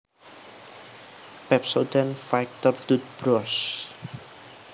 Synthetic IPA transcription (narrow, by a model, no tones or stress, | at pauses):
pɛpsod̪anfajk̚t̪ərd̪ut̪̚b̥ɾɔs